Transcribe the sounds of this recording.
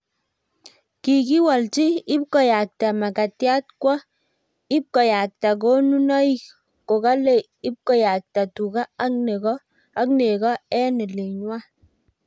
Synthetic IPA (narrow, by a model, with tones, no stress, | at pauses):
ki˨ki˦wa˨lt͡ʃi˦ɪ˦p̚kɔ˨ja˨k̚ta˨ma˨ka˨tja˦t̚kwɔ˦ | ɪ˦p̚kɔ˨ja˨k̚ta˨k̬o˦nu˦nɔ˦i˦ | ko˨ka˦le˦˨ | ɪ˦p̚kɔ˦ja˨k̚ta˨tu˨ka˦a˦kne˨kɔː˦ | kne˨kɔ˦ɛ˦nɪ˨le˨ɲwa˦